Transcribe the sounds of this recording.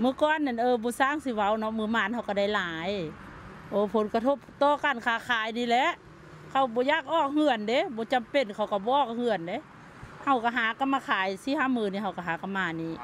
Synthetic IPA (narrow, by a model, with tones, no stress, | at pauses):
mɯː˧˦kɔː˧˨nːa˧˩nʔɤː˧bɔː˧˦saː˧˥˨ŋsi˧˦wa˧˩˨wnɔ˧˥mɯː˧˦maː˧˩˨nha˧˨wka˧˩da˧˩˨jlaː˨˦j | ʔoː˧˦pʰo˨˦nka˧t̪ʰo˧˨p̚t̪ɔː˧˦ka˧˨nkʰaː˧˩kʰaː˨˦jniː˧˨lɛ˧˦ʔ | kʰa˧˩wbɔː˧˦jaː˧˩k̚ʔɔː˧˩k̚hɯ˧˨ənde˧˦bɔː˧˦t͡ɕa˨˧˨mpe˧˩nkʰa˧˩wka˧˩bɔː˧˦ʔɔː˧˩k̚hɯ˧˨ənde˧˦ | ha˧˩wka˧˩ɦaː˨˦ka˧˦mːaː˧kʰaː˨˦jsi˧˦ha˧˥˨mːɯː˧˨niː˧˩ha˧˩wka˧˨ɦaː˨˦ka˧˨mːaː˧˩niː˧˩˨